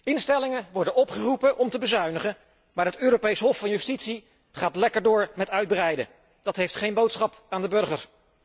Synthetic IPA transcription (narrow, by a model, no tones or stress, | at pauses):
ɪnstɛlɪŋəʋɔɹdənɔpχərupəʔɔmtəbəzœɥnəχən | maːɹɦətøːɾopejsɦɔfɑnjystitsi | χaːtlɛkəɹdʊːɹmɛtœɥd̚bərɛjdə̰ | d̥ɑtɦejftχejnbowtsχɑp | aːndəbɵɹχəɹ